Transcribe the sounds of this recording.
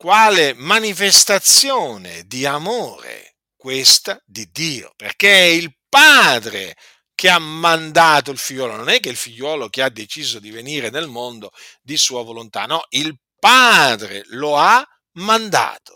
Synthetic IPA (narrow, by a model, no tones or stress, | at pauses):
kwaːlemanifest̪at̪sjoːnḛd̪iamoːɾḛ | kwest̪ad̪id̪ːiːo̰perkɛilpaːd̪ɾḛ | kʰeamand̪aːt̪̬oilfiʎːwɔːlonɔnɛkːeilfiʎːwɔːlokead̪ːet͡ʃiːzod̪iveniːɾenelmond̪od̪isuːavolont̪a̰nɔʔil | paːd̪ɾḛloa | mand̪a̰ːt̪o̥